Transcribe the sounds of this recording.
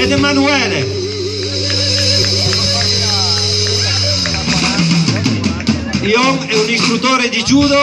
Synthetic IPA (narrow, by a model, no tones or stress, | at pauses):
ed̪emanuɛːle | ioŋɛunist̪ɾut̪oːɾed̪id͡ʒuːd̪o